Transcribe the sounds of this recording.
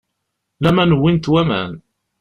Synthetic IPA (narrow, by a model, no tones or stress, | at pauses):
læmænwint̪wæmæ̰n